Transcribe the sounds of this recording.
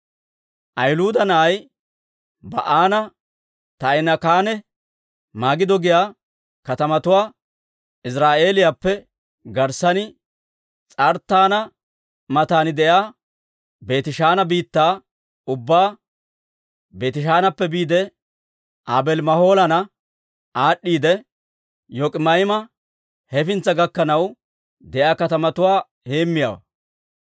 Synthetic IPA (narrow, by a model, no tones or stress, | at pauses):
ʔɐjlʊːd̪ɐnɐʔɐj | bɐ̰ʔaːnɐ | t̪ɐjnɐkaːnɛ | maːɡɪd̪ɔɡɪjaː | kɐt̪ɐmɐt̪ʊwaː | ɪs̬ɾaːʔe̞ːlɪjapːɛ | ɡɐɾsɐnɪ | t͡sʼɐɾt̪ːaːnɐ | mɐt̪aːnɪd̪ɛjaː | be̞ːt̪ɪʃaːnɐbiːt̪ːaː | ʊbːaː | be̞ːt̪ɪʃ̬aːnɐpːɛbiːd̪ɛ | ʔaːbɛlmɐho̞ːlɐnɐ | aːɗːiːd̪ɛ | jɔkʼɪmɐjmɐ | hɛfɪnt͡sːɐɡɐkːɐnɐw | d̪ɛʔjaːkɐt̪ɐmɐt̪ʊwaː | he̞ːmːɪja̰ːwɐ̰